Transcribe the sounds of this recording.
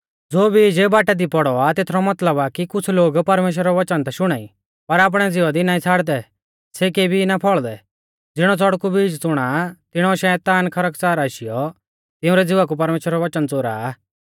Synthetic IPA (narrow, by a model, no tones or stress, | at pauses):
d͡zoːbiːd͡ʒebaːʈɛd̪ipɔɽɔat̪eːt̪ʰɾɔmɐt̪ləbakikʊt͡sʰloːɡpɐɾmeːʃ̬wɾaɾɔʋɐt͡ʃənt̪ɛʃʊɽ̃aːḭ | pɐɾaːp̬ɽ̃ɛd͡zɪʋad̪inãːĩt͡sʰaːɽd̪ɛ | sek̬eːbʱinapʰɔɭd̪ɛ | d͡zɪɽ̃ɔt͡sɔɽkubiːd͡ʒt͡sʊɽ̃at̪ɪɽ̃ɔʃɛːt̪aːnkʰɐɾəkt͡saːɾaːʃɪjɔ | t̪ɪ̃ʊ̃ɾɛd͡zɪʋak̬upɐɾmeːʃwɾɾɔʋɐt͡ʃənt͡soːɾa̰ː